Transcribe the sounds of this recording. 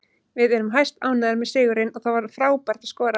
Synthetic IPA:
vɪðɛɾʏmɦajst̪aːwnaðɪɾmɛðsɪːɣʏɾɪnɔθavaɾfɾaːwpɛɾ̥t̪ḁskɔːɾa

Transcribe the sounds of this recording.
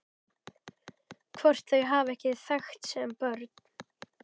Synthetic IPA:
kʰvɔr̥t̪lœɣɦaːvɛhcɪθaxt̪sɛmpœɾt̪̚nn

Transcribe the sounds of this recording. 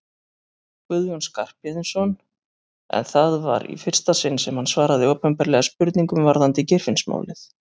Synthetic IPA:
kʏðjɔnskar̥pjɛðɪnsɔn | ɛ̰nθaðva̰ɾḭfɪr̥st̪asɪnsɛmhansvaːɾaðɪɔwpɛmpɛɾlɛɣaspʏɾt̪niŋkʏmvaɾðant̪ɪcɪr̥fɪnsma̰ːwlɪθ

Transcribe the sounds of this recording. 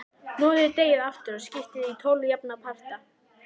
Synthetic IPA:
nɔːðɪt̪eːjɪðaft̪ʏɾaðscɪft̪ɪðit̪ʰoːwljapnapʰaft̪a

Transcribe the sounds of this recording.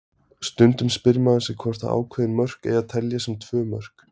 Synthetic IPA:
st̪ʏnt̪ʏmspɪɾmaðasɪɣkʰvɔr̥t̪a̰a̰ːwkʰvɛːðɪnmœr̥kɛḛjaðt̪ʰɛljasɛmt̪ʰvœːmœ̰r̥k

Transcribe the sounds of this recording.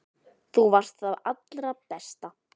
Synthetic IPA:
θuvar̥st̪θaðat̪lɾapɛst̪a

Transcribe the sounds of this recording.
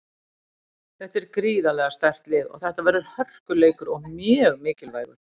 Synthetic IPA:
θɛht̪ɛɾkɾiːðalɛɣast̪ar̥t̪lɪːðɔ̰ɣθɛht̪avɛɾðʏɾ̥hœr̥kʏleːjkʏɾɔɣmjœːɣmɪːcɪlvaːjɣʏ̰ɾ̥

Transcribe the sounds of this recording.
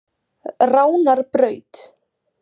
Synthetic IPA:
raːwnaɾpɾœːɥt̪

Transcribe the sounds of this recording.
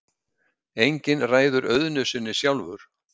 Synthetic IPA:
ejɲcɪnraːjðʏɾœðnʏsɪnːɪsjawlvʏɾ̥

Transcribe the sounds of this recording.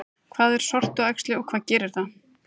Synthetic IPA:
kʰv̥aːðɛɾ̥sɔr̥t̪ʏajkst̪lɪɔɣkʰvaːðcɛːɾɪɾ̥θa

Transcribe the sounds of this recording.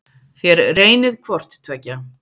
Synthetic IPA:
θjɛɾreːjnɪðkʰvɔr̥t̪t̪ʰœːca

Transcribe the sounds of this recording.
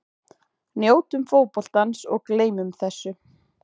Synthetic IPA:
njoːwt̪ʏmfoːwpɔl̥t̪ansɔɣkleːjmʏmθɛsːʏ

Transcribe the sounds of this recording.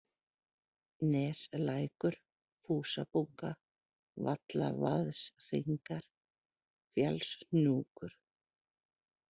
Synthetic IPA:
nɛːslaːjkʏɾ̥ | fuːsapuŋka | vat̪la̰vaðsr̥iŋkaɾ̥ | fjalsnuːkʏɾ̥

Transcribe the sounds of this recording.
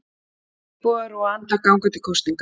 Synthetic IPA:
kɔːaɾɔant̪akawŋkʏt̪ikʰɔwst̪niŋk

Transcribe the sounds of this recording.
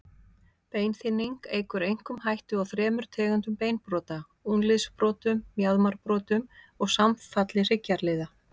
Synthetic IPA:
peːjnθɪnːiŋkeːjkʏɾejŋ̥kʏmhajht̪ʏawθɾɛːmʏɾ̥t̪ʰɛːɣant̪ʏmpeːjnpɾɔːt̪a | unlɪðspɾɔːt̪ʏmːjaðmaɾ̥pɾɔːt̪ʏm | ɔɣsamfat̪lɪr̥ɪcːaɾlɪːða

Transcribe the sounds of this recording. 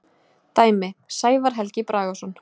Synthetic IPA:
t̪aːjmɪsaːjvaɾ̥ɦɛlcɪpɾʔaːɣɔsɔn

